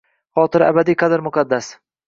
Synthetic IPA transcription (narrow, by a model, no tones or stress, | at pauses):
χɒːt̪ɪɾa̰bad̪ijqʰɑd̪ɪɾmʊqʰɑd̪ːas